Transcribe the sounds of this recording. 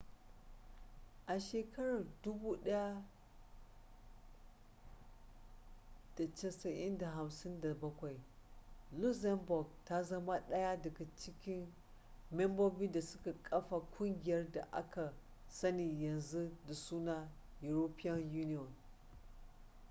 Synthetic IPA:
ʔa˨ʃe˨kɐ˦ɾa˨rdʊ˦bu˦ɗɐ˦ja˦ | d̥a˨t͡ʃɐ˨sɐ˨ʔɪ̰˦nda˨ɦa˨msɪ˦nda˨bɐ˦kʷa˨j | lu˦za˦mbɔ˨ɡ̚ta˦zɐ˦ma˦ɗɐ˦ja˦dɐ˨ɡa˨t͡ʃɪ˦kʲɪ˦n | mɛ˦mbo˦bi˦da˨sʊ˦ka˨kʼɐ˦fa˨kʷʊ˦ŋɡʲɪ˨jɐ˦rda̰˨ʔa˦ka˨ | sɐ˦ni˨jɐ˨nzu˦da˨suː˦na˦ | ju˨ɾo˦pi˦a˦nju˦ni˦ɔ˨n

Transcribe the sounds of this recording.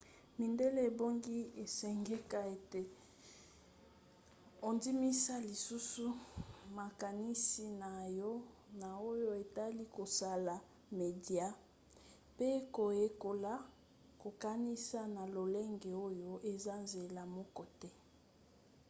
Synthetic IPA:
mi˨nde˦le˦e˨bo˦ŋɡi˦e˨sɛ˨ŋɡɛ˦ka˨e˨te˨ | o˨ndi˦mi˦sa˦li˨su˦su˦ma˨ka˨ni˦si˨na˨jɔ˦ | na˨o˦jo˦e˨ta˦li˦ko˨sa˦la˨ | me˨dja˦ | pe˦ko˨je˦ko˦la˦ | ko˨ka˦ni˦sa˦na˨lo˨le˦ŋɡe˨o˦jo˦ʔe˨za˦nze˨la˨mɔ˦kɔ˨tɛ˦

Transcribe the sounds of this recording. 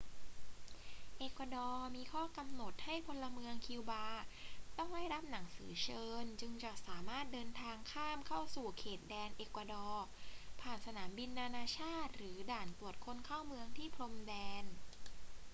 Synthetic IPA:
ʔeː˨˩kwa˧dɔː˧miː˧kʰɔː˥˩ka˧mno˨˩t̪̚ha˥˩jpʰo˧la˧mɯ˧əŋkʰi˧wbaː˧t̪ɔ˥˩ŋda˥˩jɾa˦˥p̚na˩˦ŋsɯː˩˦t͡ɕʰɤː˧nt͡ɕɯ˧ŋt͡ɕɔ˨˩saː˨˩˦maː˥˩t̪̚dɤː˧nt̪ʰaː˧ŋkʰaː˥˩mkʰa˥˩wsuː˨˩kʰeː˨˩t̪̚dɛː˧nʔeː˨˩kwa˧dɔː˧pʰaː˨˩nsa˧naː˩˦mbi˧nːaː˧naː˧t͡ɕʰaː˥˩t̪̚ɾɯː˩˦daː˨˩np̪u˨˩ət̪̚kʰo˧nkʰaː˥˩wmɯ˧əŋt̪ʰiː˥˩pʰɾo˧mdɛː˧n

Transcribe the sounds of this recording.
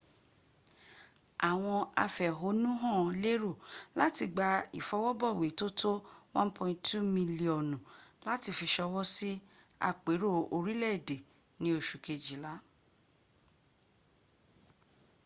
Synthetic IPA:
a˨w̃ɔ̃˧a˧fɛ˨ɦo˨˦nũ˦ɦɔ̃˦˨˧le˦ɾo˦˨la˦ti˧ɡ͡ba˧ḭ˨fɔ˨˦wɔ˦bɔ˦˨we˨to˦tʰo˦wɔ̃˦n˦pʰɔ̃˧ĩ˧tu˦mĩ˧li˨ɔ˨nũ˨la˦ti˧fi˧ʃɔ˧wɔ˦si˦ | a̰˧k͡pe˨˦ɾo˦˨o˧ɾi˦lɛ˦˨de˨ | nĩ˧˦o˧˨ʃu˨ke˧d͡ʒi˨la˨˦

